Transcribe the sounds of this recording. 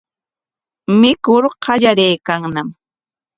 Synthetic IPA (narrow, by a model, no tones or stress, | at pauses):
mɪkʊɾqɑʎaɾejkaŋnam